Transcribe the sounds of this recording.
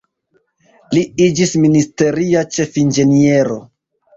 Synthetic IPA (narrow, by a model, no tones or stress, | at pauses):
liid͡ʒisministe̞ɾiat͡ʃe̞find͡ʒe̞nie̞ɾo̞̰